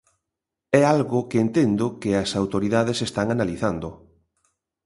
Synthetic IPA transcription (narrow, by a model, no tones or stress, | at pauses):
ɛalɣʊkɪent̪end̪ʊkɪɐsawt̪oɾiðaðesest̪aŋanaliθand̪ʊ